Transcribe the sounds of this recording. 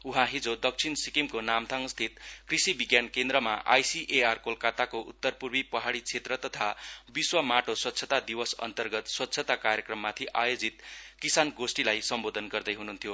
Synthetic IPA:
uɦãɦid͡zod̪ʌk̚t͡sʰinsikimkonamt̪ʰaŋst̪ʰit̪krisibiɡjankend̪rʌma̰ʔa̰jsiʔearkolkat̪akoʔṵt̪ːʌrpurbipʌɦaɽit͡sʰet̪rʌt̪ʌt̪ʰabiswʌmaʈoswʌt̪ːt͡sʰʌt̪ad̪ibʌsʌ̰nt̪ʌrɡʌt̪swʌt̪ːsʰʌt̪akaɾjekrʌmːat̪ʰiʔajod͡zit̪kisanɡosʈilajsʌmbod̪ʱʌnɡʌrd̪ʌjɦununt̪ʰjo

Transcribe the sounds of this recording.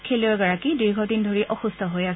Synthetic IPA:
kʰeliɔɹɡaɹakidiɹɡʱɔdindʱoɹiʔɔxustʰɔɦojas

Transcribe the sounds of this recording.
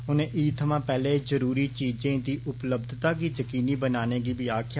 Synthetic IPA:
ɦʊnẽːʔiːt̪ʰəmãːpɛːleːzəɾuːɾiːt͡ʃiːd͡ʒẽːd̪iːʔʊpləb̚d̪ʱt̪aːkiːd͡ʒəkiːniːbənaːneːɡiːbiːaːkʰɪja

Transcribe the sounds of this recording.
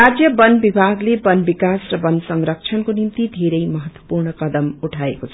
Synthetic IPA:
ɾad͡zjʌbʌnbibʱaɡlebʌnbikasrʌbʌnsʌŋɾʌk̚t͡sʰʌnkonimt̪id̪ʱeɾʌjmʌɦʌt̪wʌ̥purnʌkʌd̪ʌmuʈʰaḛkot͡sʰ

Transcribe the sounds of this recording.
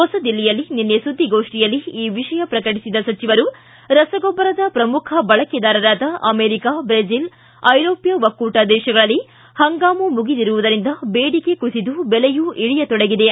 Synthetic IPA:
ɦɔsɐd̪ilːijɐlːininːesud̪ʱːiɡoːʂʈijɐlːiiːʋiʂɐjɐpɾɐkɐʈisid̪ɐsɐt͡ʃiʋɐɾu | ɾɐsɐɡɔbːɐɾɐd̪ɐpɾɐmukʰɐbɐɭɐkɛd̪aːɾɐɾaːd̪ɐʔɐmeːɾikaːbɾezil | ɐjɾoːpjɐʋɐkːuːʈaːd̪ɛːʃɐɡɐɭɐlːi | hɐŋɡaːmumuɡid̪iɾuʋud̪ɐɾind̪ɐbeːɽikekusid̪ubɛlejuʔiɭijɐt̪ɔɽeɡid̪e̞

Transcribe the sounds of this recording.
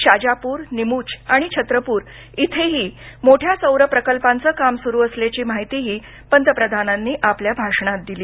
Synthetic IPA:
ɕad͡ʑapuːɾnimuːt͡ɕaɽ̃it͡ɕʰət̪ɾəpuːɾ | it̪ʰeɦiːmoʈʰjasəwɾəpɾəkəlpant͡səːkamsuɾuːəsljat͡ɕiːmaɦit̪iːɦiː | pənt̪əpɾəd̪ʱananːiːʔapljabʱaʂɳ̃at̪̚d̪iliː

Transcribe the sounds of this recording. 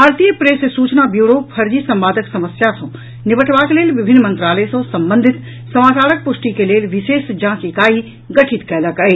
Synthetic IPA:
bʱaːɾt̪ijəpɾeːsesuːt͡ʃnabjuːɾoːfʰɐɾd͡ʑisɐ̃mʋaːd̪ʱəksɐməsjasõ | nɪʋəʈʰʋakleːlʋɪbʱɪnːmɐ̃nt̪ɾaːləesõsɐ̃mbə̃nd̪ʱɪt̪ | sɐmaːt͡ʃaːɾək̚pʊʃʈikeleːlʋɪʃeːsd͡ʒãːkikaːi | ɡɐʈʰɪt̪kɛːləkaːeː

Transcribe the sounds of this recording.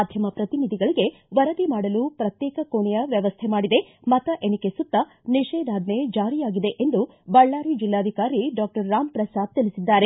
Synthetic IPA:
ad̪ʱjɐmɐpɾɐt̪inid̪ʱiɡɐɭiɡe̞ʋɐɾɐd̪imaːɽɐlupɾɐt̪jɛːkɐkoːɳɛjɐʋjɐʋɐst̪ʰemaːɽid̪e̞ | mɐt̪ɐʔe̞nikesut̪ːɐ | niʃeːd̪aːd̪ned͡ʒaːɾijaːɡid̪e̞ʔend̪u | bɐɭːaːɾid͡ʒilːaːd̪ʱikaːɾiɖaːk̚ʈɐɾːaːmpɾɐsaːd̪̚t̪ilisid̪ːaːɾe

